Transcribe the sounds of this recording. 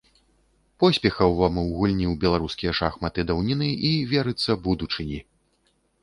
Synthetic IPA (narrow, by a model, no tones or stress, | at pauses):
pɔsʲpʲɛxɐwvamɨwɣulʲnʲiwbʲɛlˠaɾuskʲijɛʂaxmɐt̪ɨd̪ɐwnʲinɨʔivʲɛɾɨt̪sːɐbud̪ut͡ʂɨnʲi